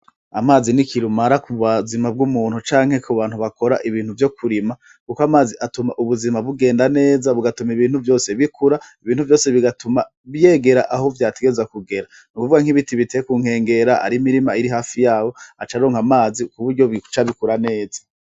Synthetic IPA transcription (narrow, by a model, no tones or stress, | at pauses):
a̰maːzinikʰiɾumaɾakuβwazimab̚ɡumuːn̥hut͡ʃaːŋhe̞kʰuβaːnhuβako̞ɾa̰ʔiβiːn̥huvjo̞kʰuɾima | kukoamaːziʔatumaʔuβuzimaβuɡe̞ːndane̞ːzaβuɡatumiβiːnhuvjo̞ːse̞βikʰuɾaiβiːnhuvjo̞ːse̞βiɡatuma | βje̞ːɡe̞ɾa̰ʔaɦovjaːteɡeezakuɡe̞ɾa | nukuvuɡaŋhiβitiβite̞kuːŋ̥he̞ːŋɡe̞ɾaa̰ɾimiɾimaiɾiɦaːfijaːwo̞at͡ʃaɾo̞ːŋhamaːzikuβuɾɟo̞βit͡ʃaβikuɾane̞ːzḁ